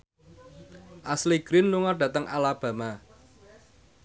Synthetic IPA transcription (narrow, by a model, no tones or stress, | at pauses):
ʔasliɡ̥ɾɪnluŋarɖ̥ä̤t̪əŋʔalab̥ä̤ma